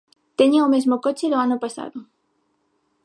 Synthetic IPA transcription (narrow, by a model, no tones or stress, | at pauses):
t̪eɲoomezmokot͡ʃeðoanopasa̰ðo